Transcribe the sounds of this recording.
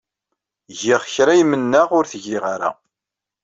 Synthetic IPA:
ʝɪʁçɾæjmənːəʁʊɾθəʝiʁaɾa̰

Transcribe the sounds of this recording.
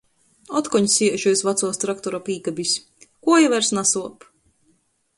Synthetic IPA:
ɔt̪kɔɲsʲiɛʒujsvat̪suɔst̪ɾak̚t̪ɔɾapiːkabʲisʲ | kuɔjavæɾsnasuɔp

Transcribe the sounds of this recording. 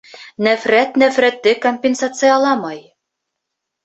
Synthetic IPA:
næfɾæt̪næfɾæt̪ːɘkomʲpʲensat̪sɨjɑlˠɑmɑj

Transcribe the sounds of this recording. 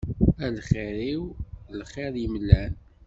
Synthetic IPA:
ælχɪɾiwlχeɾjəməlːæn

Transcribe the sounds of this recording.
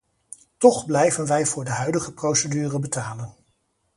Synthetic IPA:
tɔχblɛjvənʋɛjvʊːɹdəɦœɥdəχəprowsədyːrəbətaːlən

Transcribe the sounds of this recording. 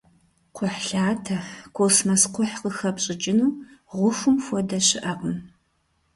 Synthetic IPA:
qʷʰʊħɬaːtʰɐkʷʰosmɐsqʷʊħqəxɐpɕʼɪd͡ʒʼɪnuːʁʷʊxʷʊmfʷɔdɐɕɪʔɐqʼəm

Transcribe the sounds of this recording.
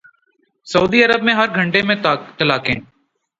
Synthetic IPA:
sɐuːd̪iːəɾəbmẽɦɐɾɡʱə̃ɳʈemẽt̪əlaːkḛ̃ː

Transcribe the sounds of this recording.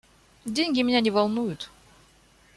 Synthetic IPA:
dʲenʲɡʲɪmʲɪnʲanʲɪvɐlˠnujʊt̪

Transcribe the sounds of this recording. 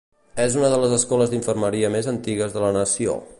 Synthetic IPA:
ɛzunəðələzəskɔləzðiɱfərməɾiəmezənt̪iɣəzðələnəsio̰

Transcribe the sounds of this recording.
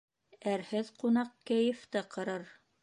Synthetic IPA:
æɾhɘðqunɑq̚kæjɘ̆ft̪ɤqʰɤ̆ɾɤɾ

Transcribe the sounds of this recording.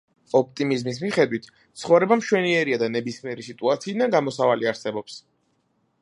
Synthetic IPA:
ɔp̚t̪ʼimizmis̬miχɛd̪wit̪ʰ | t̪sʰχɔvɾɛbamʃwɛniɛɾiad̪anɛbismiɛɾisit̪ʼuat̪sʰiːd̪anɡamɔsavaliaɾsɛbɔps

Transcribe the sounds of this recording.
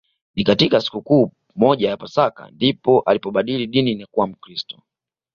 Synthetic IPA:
nikatikasi̥kukuː | mɔʄajapasaka̰ndipɔʔalipɔɓaɗiliɗininakuwam̩kɾistɔ̥

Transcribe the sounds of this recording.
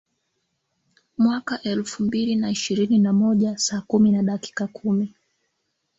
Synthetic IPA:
mwakaʔɛlfumbilinaiʃiɾininamɔʄasaːkuminaɗaki̥kakʰumi

